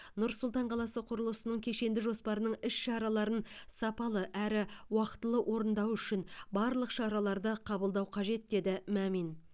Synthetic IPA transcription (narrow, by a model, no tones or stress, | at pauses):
nʊɾsʊlˠt̪ɑɴqʰɑlˠɑsəqʰʊɾəlˠəsənəɴkʲʰe̞ʃe̞nd̪ɪʒo̞spɑɾənəɴɪʃʃɑɾɑlˠɑɾənsɑpɑlˠəʔæɾɪwɑqə̥t̪ːəlˠəʔo̞ɾənd̪ɑwʏʃɪnbɑɾlˠəqʃɑɾɑlˠɑɾd̪əqʰɑbəlˠd̪ɑwqʰɑʒe̞t̪̚d̪e̞d̪ɪmæmin